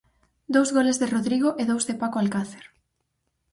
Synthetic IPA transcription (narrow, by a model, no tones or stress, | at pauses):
d̪owzɣolezðeroðɾiɣ̞oʔeðowzðepakoalkaθe̥ɾ